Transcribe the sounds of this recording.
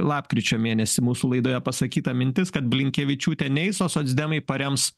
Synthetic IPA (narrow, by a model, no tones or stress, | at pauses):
lˠɑːpkɾʲɪt͡ʃʲoːmʲeːnʲɛsʲɪmuːsulˠɐɪd̪oːjɛpɐsɐkʲiːt̪ɐmʲɪnʲt̪ʲɪskɐt̪bʲlʲɪŋʲkʲɛːʋʲɪt͡ʃʲuːt̪ʲɛnʲɛɪsoːsoːd̪zʲd̪ʲɛmɐɪpɐɾʲɛms